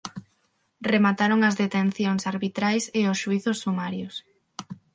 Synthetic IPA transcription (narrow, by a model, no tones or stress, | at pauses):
remat̪aɾoŋɐzðet̪enθjoŋsaɾβit̪ɾajseʊsʃuiθʊsːumaɾjʊs